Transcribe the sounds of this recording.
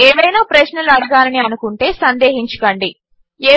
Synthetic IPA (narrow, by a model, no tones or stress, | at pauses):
eːʋɐjnaːpɾɐʃnɐluɐɽuɡaːlɐniɐnukuɳʈe̞ːsɐnd̪eːɦiɲt͡ʃu̥kɐɳɖi | eː